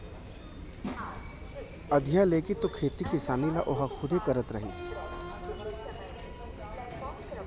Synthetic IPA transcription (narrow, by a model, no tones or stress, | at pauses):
ɐd̪ʱijaleːkit̪okʰeːt̪ikɪsaːnilaʔoɦakʰʊd̪ʱekɐɾət̪ɾɐɦis